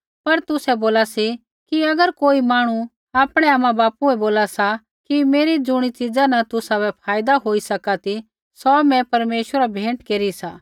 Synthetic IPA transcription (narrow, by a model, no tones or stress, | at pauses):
pɐɾt̪ʊsɛboːlasi | kiɐɡəɾkoːimaːɽ̃u | aːpɽ̃ɛaːmãbaːpuɛboːlasa | kimeːɾid͡zʊɽ̃it͡ʃɪd͡zanɐt̪ʊsabɛpʰaːjd̪aɦoːisɐkat̪i | sɔmɛ̃pɐɾmeːʃwəɾabʱẽːɳʈkeːɾisaː